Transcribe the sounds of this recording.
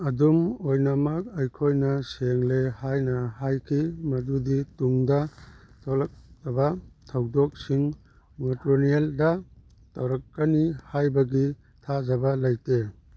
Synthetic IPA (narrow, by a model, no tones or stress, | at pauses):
ɐdumojnɐmɐk̚ɐjkʰojnɐseŋlehajnɐhajkʰimɐdudituŋdɐtʰolɐk̚tɐbɐtʰɐwdɔk̚siŋ | motɾonieldɐ | tɐwɾɐkːɐnihajbɐɡi | tʰazɐbɐlɐjte